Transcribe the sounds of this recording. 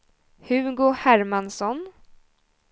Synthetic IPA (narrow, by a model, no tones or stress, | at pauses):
hɵɡoːhæɾmansɔn